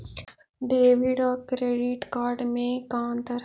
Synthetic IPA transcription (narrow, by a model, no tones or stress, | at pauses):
ɖeːʋiɖaːkɾeːɖiʈkaːɾɖmẽːkãːnt̪əɾ